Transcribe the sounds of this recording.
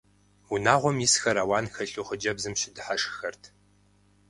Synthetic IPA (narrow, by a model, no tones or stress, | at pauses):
unaːʁʷɔmjisxɐɾaːwɑːnxɐɬʼuχəd͡ʒɐbzɨmʃɪdɨħaʂxɐrtʰ